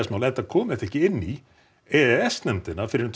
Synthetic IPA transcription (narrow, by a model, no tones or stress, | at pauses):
asmaːwlɛnt̪akʰɔːmɪθɛhcɪɪnːi | ɛðɛɛst̪nɛnt̪ɪnːafɪɾɪɾt̪ʰ